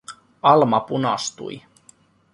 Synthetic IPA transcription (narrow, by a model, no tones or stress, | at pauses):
ɑlmɑpunɑst̪ṵj